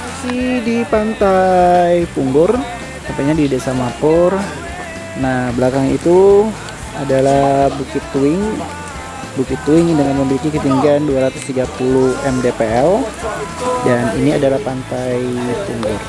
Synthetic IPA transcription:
asidipant̪ajpuŋɡʊr | t̪ampak̚ɲadidesamapʊr | nahblakaŋḭt̪u | adalabukɪt̪ːuɪŋ | bukɪt̪ːuɪŋdəŋanməmilikikət̪iŋɡanduaɾat̪ʊst̪iɡapuluhɛmdepeɛl | danḭniadalahpant̪ajpuŋɡʊr

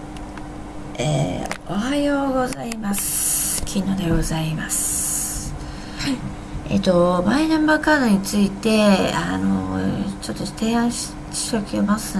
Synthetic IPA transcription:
ḛohajoːɡo̞zaimasɨ̥kʲʰinːo̞ːd̪e̞ɡo̞zaimasɨ̥ɨ̥ | ḛt̪o̞mainãmbakaːd̪o̞ɲ̟it͡sɨit̪e̞ano̰t͡ɕo̞t̪ːot̪e̞ːãɰ̃ɕ | ɕi̥okʲiomasɨ

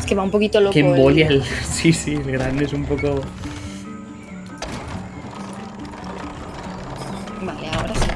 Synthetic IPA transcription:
skeβaumpokit̪olokemboʎelsisilɣɾand̪esumpoko | baleaoɾasi

